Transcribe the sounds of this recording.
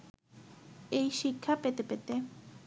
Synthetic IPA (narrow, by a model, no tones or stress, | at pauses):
ejʃikʰapet̪epet̪e